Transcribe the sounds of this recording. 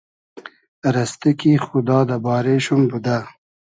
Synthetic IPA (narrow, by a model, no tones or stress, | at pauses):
ɾɐst̪ikixud̪ɑːd̪abɑːɾeʃumbud̪a